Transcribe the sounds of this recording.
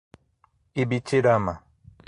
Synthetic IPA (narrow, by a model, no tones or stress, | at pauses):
ibit͡ʃiɾama